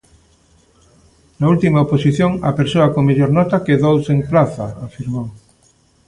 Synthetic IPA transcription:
nault̪imaoposiθjoŋa̰peɾsoakoŋmeʎoɾnɔt̪akeðowseŋplaθaafiɾmow

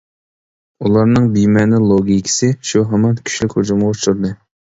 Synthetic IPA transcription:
ulˠɑɾnɨŋbijmɛnɪlˠoɡʲikʲʰi̥sɪʃuɦɛmɑnkʲʰy̥ʃlykʲhod͡ʒumʁoʃuɾd̪ɨ

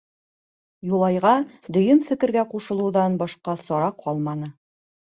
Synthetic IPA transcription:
julˠɑjʁɑd̪ɵ̆jɵmfɘ̆kɘ̆ɾɡæquʃɤ̆lˠɤ̆wðɑnbɒʃqɑsɒɾɑqʰɒlˠmɑnɤ

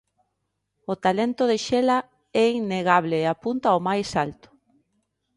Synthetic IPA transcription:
ʊt̪alent̪ʊðɪʃela | ɛinːeɣaβleːapunt̪aomajsalt̪ʊ̥

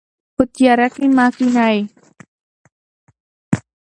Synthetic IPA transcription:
put̪̚iaɾakimasinae

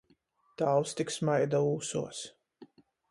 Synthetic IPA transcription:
t̪awst̪iksmajd̪auːsuɔs

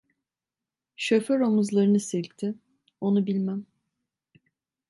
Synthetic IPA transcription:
ʃø̞føɾo̞muzlˠaɾɯnɯsilʲc̚t̪ʰɪ | o̞nubilʲmæm

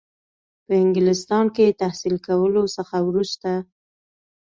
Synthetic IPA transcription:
pəɪŋɡlɪst̪ɑnket̪ahsilkawəlosəxawɾust̪a

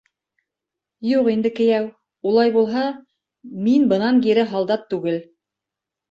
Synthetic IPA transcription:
juqind̪ɘ̆kɘ̆jæw | ulˠɑjbulˠɦɑ | minbɤ̆nɑŋɡiɾɘɦɑlˠd̪ɑt̪ːʉɡɘl

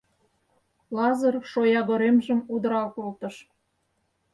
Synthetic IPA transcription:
lɑzə̆rʃojɑɣoɾemʒəmud̪əɾɑlkolt̪ə̆ʃ

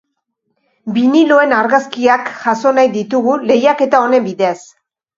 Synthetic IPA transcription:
binilo̞e̞naɾɣaskiakʝaso̞najðit̪uɣule̞jake̞t̪ao̞ne̞mbiðe̞as

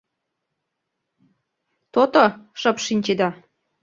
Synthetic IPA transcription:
t̪ot̪oʃɤ̆pʃinʲt͡ɕed̪ɑ

